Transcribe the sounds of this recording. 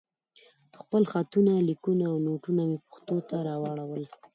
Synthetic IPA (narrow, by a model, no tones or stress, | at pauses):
xpəlxat̪unalikunaːwnoʈunamepə̥xt̪ot̪aɾɑwɑɽawəl